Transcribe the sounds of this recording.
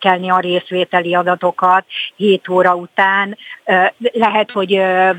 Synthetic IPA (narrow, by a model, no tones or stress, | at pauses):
kɛlniɒɾeːsʋeːt̪ɛliɒd̪ɒt̪o̞kɒt̪heːt̪oːɾɒut̪aːn | lɛɦɛt̪ho̞ɟø